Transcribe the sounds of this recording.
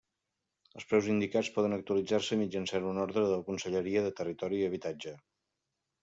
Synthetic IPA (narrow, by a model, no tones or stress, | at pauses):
əlˠspɾɛwzind̪ikat͡spɔðənək̚t̪uəlid͡zarsəmid͡ʒənsanunɔɾðɾəðələkunsəʎəɾiəðət̪ərit̪ɔɾiəβ̞it̪ad͡ʒə